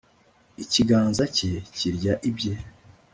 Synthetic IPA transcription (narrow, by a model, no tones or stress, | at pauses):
iciɡaːnzaceciɾɟaʔibɟe